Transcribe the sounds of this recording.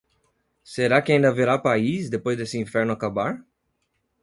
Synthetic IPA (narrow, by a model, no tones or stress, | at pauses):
seɾakɪãd̪ɐaveɾapaisd̪epojzd̪esɪĩfɛɾnʊakabaɾ